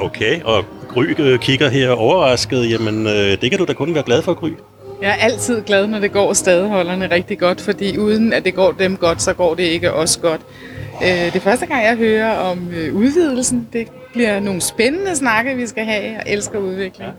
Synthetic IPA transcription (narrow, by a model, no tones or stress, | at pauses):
okʰeɪɒ̽ɡ̥ʁy̰ːkʰiɡ̥ɐɦeɐ̰ɒʊɐʁɑ̈sɡ̥əð̞̩ˠjæmənød̥e̝kʰæd̥ud̥ækʰɔ̽nʋæːɐɡ̥læð̞ˠfɒ̽ɡ̥ʁy̰ː | jɑ̈æɐʔæl̰t͡sʰið̞̰ˠɡ̥lɛð̞ˠnɒd̥e̝ɡ̥ɒ̰ːsd̥ɛːð̞ˠəɦɒ̽l̰ɐnəʁɛɡ̥̚d̥iɡ̥ɒ̽d̥fɒ̽d̥ḭːuːð̞ˠən̩æd̥e̝ɡ̥ɒ̰ːd̥emɡ̥ɒ̽d̥sɒ̽ɡ̥ɒ̰ːd̥e̝e̝ɡ̥əʔɒ̽sə̥ɡ̥ɒ̽d̥ | ød̥e̝fɶɐsd̥əɡ̥ɑ̈ŋ̰jɑɪɦøːɐɒ̽møuðˠʋið̞̰ˠl̩sn̩d̥e̝ | b̥liɐno̝ːn̩sb̥enənəsnɑ̈ɡ̥ɐʋisɡ̥æɦɛɒ̽ʔelsɡ̥ɐuð̞ˠʋe̝ɡ̥leŋ